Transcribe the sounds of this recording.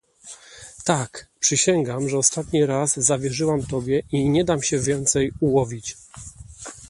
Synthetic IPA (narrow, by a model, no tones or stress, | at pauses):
t̪akpʂɘɕɛŋɡamʐɛɔst̪at̪ɲiɾazːavʲjɛʐɘwamt̪ɔbʲjɛʔiɲɛd̪amɕɛvʲjɛnt̪sɛjuwɔvʲit͡ɕ